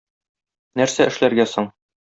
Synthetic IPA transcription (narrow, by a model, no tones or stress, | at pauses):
næɾsæɘ̆ʃlæɾɡæsoɴ